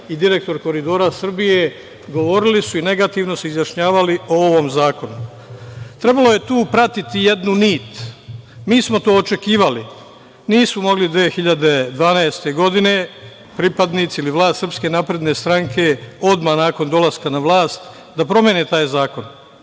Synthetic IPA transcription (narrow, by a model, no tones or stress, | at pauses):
id̪iɾe̞k̚t̪o̞ɾko̞ɾid̪o̞ɾasr̩bije̞ | ɡo̞ʋo̞ɾilisuine̞ɡat̪iːʋno̞seizjaʃɲaːʋaliooʋo̞mzaːko̞nu | t̪ɾe̞balo̞je̞t̪uːpɾat̪it̪ije̞d̪nuniːt̪ | miːsmo̞t̪o̞ːot͡ʃe̞kiːʋali | niːsmomo̞ɡlid̪ʋeːexiʎad̪e̞d̪ʋaːnaest̪e̞ɡo̞d̪ine̞ | pɾipad̪niːt̪siiliʋlˠaːst̪sr̩pske̞napɾe̞d̪ne̞st̪ɾaŋkʰe̞o̞d̪manaːko̞nd̪o̞laskanaʋlˠaːst̪ | d̪apɾo̞mjeːnet̪aːjzaːko̞n